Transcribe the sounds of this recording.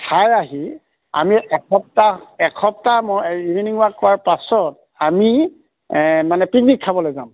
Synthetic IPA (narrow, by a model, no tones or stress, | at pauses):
tʰajaɦi | a̰miʔɛkʰɔp̚taɛkʰɔp̚tamɔiviniŋuwakkːɔwaɹpasɔt̚ | ami | manɛpiknikʰːabɔlojzam